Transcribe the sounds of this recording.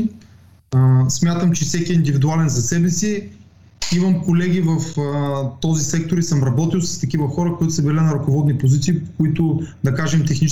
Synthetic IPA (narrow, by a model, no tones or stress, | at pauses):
smʲjat̪əmt͡ʃɛfsɛkiɛind̪ivid̪ualɛnzɐsɛbɛsi | imɐmkolɛɡ̟ivɐft̪ɔzisɛk̚t̪oɾisɤmɾɐbɔt̪ilˠsɐ̥st̪ɐkivɐxɔɾəkoit̪ʊsɐbilɛnɐɾɐkovɔd̪nipozit̪siːpokoit̪ʊd̪ɐkaʒɛmt̪ɛxnit͡ʃ